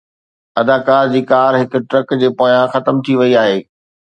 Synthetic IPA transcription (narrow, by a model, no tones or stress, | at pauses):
ɐd̪aːkaːɾd͡ʑiːkaːɾɦɪkʊ̆ʈɾɐkd͡ʑeːpoːjãxɐt̪əmt̪ʰiʋɐiaːɦeː